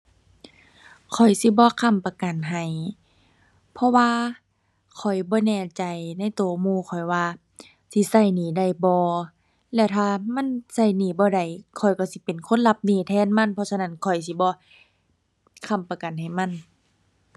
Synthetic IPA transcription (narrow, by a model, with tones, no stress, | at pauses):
kʰɔ˨˩jsi˧˦bɔː˧˦kʰa˧˩˨mpa˧ka˨nɦa˨˩j | pʰɔ˧waː˧ | kʰɔ˨˩jbɔː˧˦nɛː˧˩t͡ɕa˨˩jna˧˥˨jt̪u˨˦muː˧˩˨kʰɔ˨˩jwaː˧ | si˧˦sa˧˩jniː˧˩da˧˩˨jbɔː˧˦ | lɛ˧wt̪ʰaː˧ma˧˥˨nsa˧˩jniː˧˩bɔː˧˦da˨˩jkʰɔ˨˩jkɔ˧˩si˧˦pe˨nkʰo˧˥˨nla˧p̚niː˧˩t̪ʰɛː˧˥˨nma˧˥˨npʰɔ˧sa˧na˧˩˨nkʰɔ˨˩js̬i˧˦bɔː˧˦ | kʰa˧˩˨mpa˧ka˨nɦa˨˩jma˧˥˨n